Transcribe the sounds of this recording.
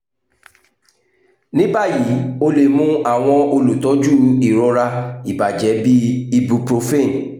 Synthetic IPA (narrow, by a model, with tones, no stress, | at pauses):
nĩ˦ba˦˨ji˨˦o˧le˧˨mũ˦a˦˨w̃ɔ̃˧o˧lu˨tɔ̃˨˦d͡ʒu˦i˦˨ɾɔ˨˧ɾa˧i˨ba˨d͡ʒɛ˨˦bi˦i˧bu˧pɾo˧fe˦˨